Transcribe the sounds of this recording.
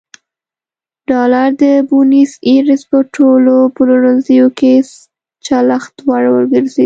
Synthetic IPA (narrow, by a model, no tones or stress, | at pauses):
ɖ̥ɑlaɾd̪əbuniseɾɪspəʈʰolopəluɾanzəjoke | t͡ʃalaxt̪waɽwə̰ɾɡəɾzed̪